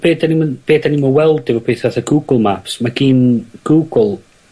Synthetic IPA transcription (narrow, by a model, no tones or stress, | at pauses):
b̥eːdanimnb̥eːdanimɔwɛlˠdɪvɔpʰeːθaθaɡuːɡəlˠmapsmaɡiːnɡ̥uːɡəlˠ